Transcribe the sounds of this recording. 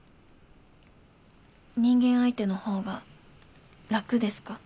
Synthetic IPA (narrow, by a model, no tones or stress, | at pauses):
ɲ̟ĩŋɡẽ̞ɰ̃ait̪e̞no̞ho̞ːɡa | ɾakɯ̟d̪e̞sɨ̥ka